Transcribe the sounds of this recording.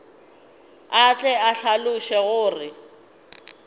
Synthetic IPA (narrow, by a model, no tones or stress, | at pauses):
at͡ɬʼɛaɬalʊʃɛɣʊːrɪ